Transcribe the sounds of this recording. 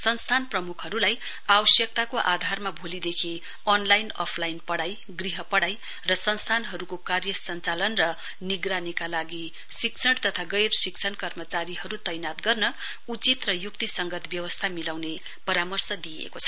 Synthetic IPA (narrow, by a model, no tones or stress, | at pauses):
sʌnst̪ʰanprʌmukʰɦʌɾulaj | awʌsjʌk̚t̪akoʔad̪ʱarmabʱolid̪ekʰi | ʌnlajnʌ̰pʰlajnpʌɽaj | ɡriɦʌpʌɽaj | rʌsʌnst̪ʰanɦʌɾukokarjʌsʌnt͡salʌnrʌ | niɡranikalaɡi | sik̚t͡sʰʌɽt̪ʌt̪ʰaɡʌjrsikt͡sʰʌnkʌrmʌt͡saɾiɦʌɾut̪ʌjnat̪ɡʌrnʌ | ut͡sit̪rʌjukt̪isʌŋɡʌt̪bjʌwʌst̪ʰamilawne | pʌɾamʌrsʌd̪iḛkot͡sʰʌ̥